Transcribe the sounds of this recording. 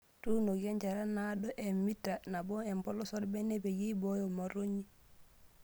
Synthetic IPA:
tunoɡeɲd͡ʒaɾanaɗɔʔemitːanabɔembɔlɔsɔlbɛnebejibɔjɔmaɾoɲi

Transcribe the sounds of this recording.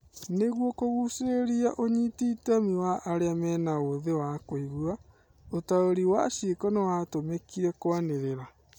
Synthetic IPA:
neɣwɔkoɣuseeɾiaʔoɲitiːtamiwaʔːɾeamɛːnaoðewakoiɣua | otaoɾiwasjekɔnewatomekiɾɛkwaneɾeɾa

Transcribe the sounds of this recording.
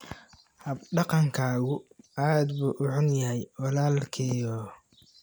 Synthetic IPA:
hɐbɖɑqɑŋkʰaːɣʊaːd̪buːʔʊħʊnjɐɦɛjwɑlaːlkʰɛːjɔː

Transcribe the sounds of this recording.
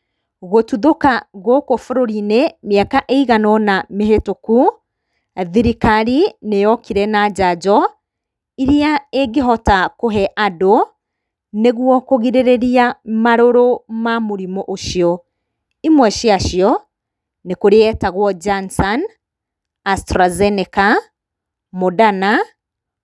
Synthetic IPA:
ɣotuðokaɣwɔkofoɾoɾinemjakaʔeiɣanɔnameɦetoku | aðiɾikaɾinejɔkiɾɛnad͡ʑad͡ʒɔ | iɾiaeɡeɦɔtakoɦɛʔado | neɣwɔkoɣiɾeɾeɾiamaɾoɾomamoɾimɔʔoʃiɔ | imwɛʃiaʃiɔ | nekoɾeɛtaɣwɔd͡ʒansan | astɾazɛneka | modana

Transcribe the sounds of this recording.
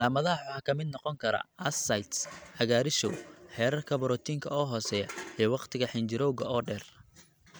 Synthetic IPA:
aːmɐðɐɐħʊħɐkʰɐmɪd̪nɔqɔŋkʰɐɾɐ̰ɐsɐjt̪sħɐɣaːɾɪʃɔ̰wħɛːɾɐrkʰɐβɾɔːt̪ʰiŋkʰɐɔːɦɔːsɛːjɐijɔwɑqt̪ʰɪɣɐħɪnd͡ʒɪɾɔwɣɐɔːɖɛːr

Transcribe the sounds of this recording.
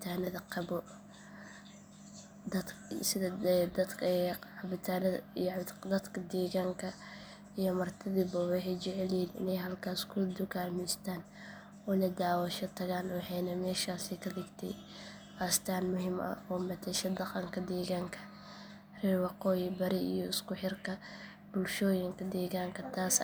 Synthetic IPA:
bt̪ʰaːnɐðɐqɑbɔ | d̪ɐd̪sɪðɐd̪ɐd̪kbɪt̪ʰaːnɐðd̪ɐd̪kʰɐd̪ɛːɣaːŋkʰɐ | ijɔmɐrt̪ʰɪðiːbɔwɑħɛjt͡ʃɛʕɛliːnɪ̰nɛjɦɐlkʰaːskʰʊd̪ʊkaːlmɛst̪ʰaːn | ɔːlɐd̪aːwɐʃɐt̪ʰɐɣaːnwɑħɛnɐmɛːʃaːsɛkʰɐd̪ɪɡt̪ʰɛ̰j | baːst̪ʰaːnmʊɦɪmʔɐ̰ɔːmɐt̪ʰɛʃɐd̪ɑqɑŋkʰɐd̪ɛːɣaːŋkʰɐ | rɪwɑqɔːjɪbɐɾɪʔijɔɪskʊħɪrkʰɐ | bʊlʃɔːjɪŋkʰɐd̪ɛːɣaːŋkʰɐt̪ʰaːs

